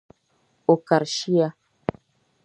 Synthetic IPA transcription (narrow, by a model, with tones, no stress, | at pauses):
o˨ka˨ɾʃi˦ja˦